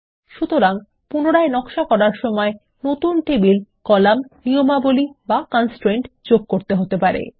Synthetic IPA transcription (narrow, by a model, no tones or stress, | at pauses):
ʃut̪oɾaŋ | punoɽaenɔkʃakɔɾaɾʃɔmɔe | not̪unʈebilkɔlamniomabolibakansʈɾeɳʈd͡ʑoɡ̚koɾt̪eɦot̪epaɾḛ